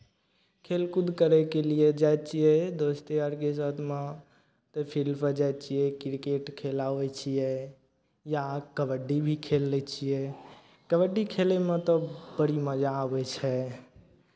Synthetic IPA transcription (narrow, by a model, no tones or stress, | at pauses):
kʰelkud̪ʱkəɾɛkelijed͡ʒajt͡ʃʰijɛd̪ost̪eəɾkes̬ət̪ʰme | t̪ɔpʰilpəd͡ʒajt͡ʃʰijɛkiɾikeʈkʰelaʋɛt͡ʃʰijɛ | jakəbəɖibʱikʰelːɛt͡ʃʰijɛ | kəbəɖːikʰelemet̪ɔbəɽiməd͡ʒaəbɛt͡ʃʰɛ